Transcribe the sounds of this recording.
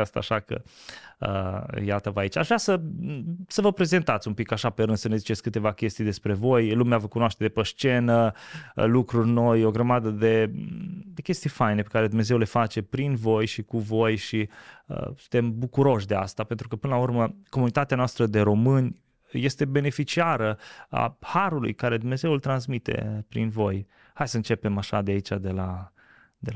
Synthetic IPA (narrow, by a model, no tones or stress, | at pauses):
ast̪a̰aʃakə̰ə̰jat̪əvait͡ʃaʒvɾʲasə | səvəpɾe̞ze̞nt̪at̪sʲumpikaʃape̞ɾɨnd̪sənezit͡ʃe̞tsʲkɨt̪e̞vakʲe̞st̪ijd̪e̞spɾe̞vo̞jlumeavəkunoaʃt̪e̞d̪epəʃt͡ʃe̞nəlukɾurʲno̞jo̞ɡɾəmad̪əd̪e̞ | d̪e̞kʲe̞st̪ijfajne̞pe̞̥kaɾe̞d̪umne̞ze̞wle̞fat͡ʃe̞pɾinvo̞jʃikuvo̞jʃiə̰sunt̪e̞mbukuɾo̞ʃ̬ʲd̪e̞a̰st̪apent̪ɾukəpɨnəlaurməko̞munit̪at̪eanoast̪ɾəd̪e̞ɾo̞mɨnʲ | je̞st̪e̞be̞ne̞fit͡ʃiaɾəa̰haɾulṵjkaɾe̞d̪umne̞ze̞wult̪ɾansmit̪e̞̰pɾḭnvo̞j | hajsəɨnt͡ʃe̞pe̞maʃad̪eait͡ʃad̪e̞la | d̪el